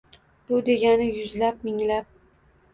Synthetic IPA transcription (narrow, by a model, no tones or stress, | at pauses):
b̥ʊd̪e̞ɡʲanɪjʊzlap̚mɪŋlap̚